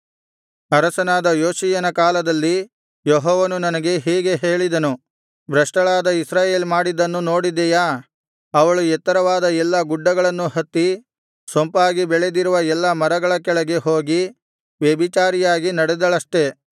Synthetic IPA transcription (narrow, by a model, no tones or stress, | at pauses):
ɐɾɐsɐnaːd̪ɐjoːsijɐnɐkaːlɐd̪ɐlːi | jɔɦɔːʋɐnunɐnɐɡe̞ɦɛːɡe̞ɦe̞ːɭid̪ɐnu | bɾɐʂʈɐɭaːd̪ɐisɾaːje̞ːlmaːɽid̪ɐnːuno̞ːɽid̪ːɛjaː | ɐʋɐɭuɛt̪ːɐɾɐʋaːd̪ɐɛlːɐɡuɖːɐɡɐɭɐnːuɦɐt̪ːi | sompaːɡibɛɭed̪iɾuʋɐɛlːɐmɐɾɐɡɐɭɐkɛɭɐɡe̞ɦo̞ːɡi | ʋebit͡ʃaːɾijaːɡinɐɽɛd̪ɐɭɐsʈe̞